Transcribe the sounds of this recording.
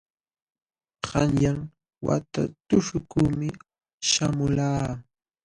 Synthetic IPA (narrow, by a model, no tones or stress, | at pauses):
ɢɑnjaŋ | wa̰t̪a̰t̪ʊʂʊkuːmɪ | ʃamʊlaː